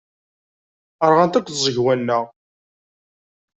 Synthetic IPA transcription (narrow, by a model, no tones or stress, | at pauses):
əɾˤʁant̪ækʷːθzˤəʝwænːəʁ